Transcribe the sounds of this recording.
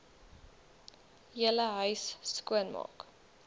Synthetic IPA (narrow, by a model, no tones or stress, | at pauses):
jələɦœɥsːkuənmɑ̰ːk